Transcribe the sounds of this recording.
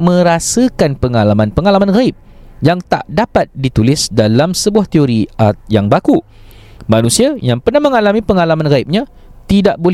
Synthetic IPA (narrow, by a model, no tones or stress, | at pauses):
mə̃ɾasakanpəŋalamãnpəŋalamanɣaɪp̚jaŋt̪a̰ʔdapat̪̚dit̪ulɪsdalamsəbuaht̪ioɾiajaŋbaku | manũsiajaŋpərnahmə̃ŋalamĩpəŋalamãnɣaip̚ɲã | t̪idaʔbol